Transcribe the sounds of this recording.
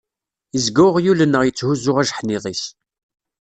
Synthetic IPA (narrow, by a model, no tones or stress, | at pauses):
əzɡæʁjulənːəʁjət͡sːhuzʊʁæʒħnɪðˤis